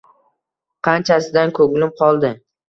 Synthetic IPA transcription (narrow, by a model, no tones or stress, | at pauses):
qʰɑnt͡ʃʰasɪd̪ankʰɵɡlɪm̚qʰɒlˠd̪ɪ